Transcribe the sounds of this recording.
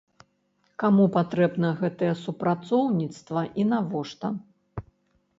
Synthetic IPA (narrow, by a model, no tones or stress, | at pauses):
kamupat̪ɾɛbnɐɣɛt̪ɐjɛsupɾat̪sɔwnʲit̪st̪vɐʔinavɔʂt̪ɐ